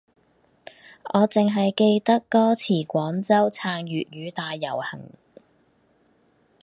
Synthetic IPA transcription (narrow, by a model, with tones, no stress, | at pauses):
ʔɔː˨˧t͡sɪ˨ŋɦɐ˨jke˧jt̪ɐ˥kːɔː˥t͡sʰiː˨˩kʷɔː˨˥nt͡sɐ˥wt͡sʰaː˧ŋjyː˨t̚ɥyː˨˧t̪aː˨˧jːɐ̰˨˩whɐ̰˨˩ŋ